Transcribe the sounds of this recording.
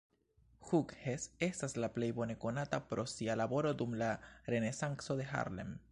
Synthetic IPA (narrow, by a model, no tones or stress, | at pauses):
xukhesest̪aeslaplejbonekonat̪apɾosialaβoɾod̪umlarenesaŋksoðexa̰ɾlḛm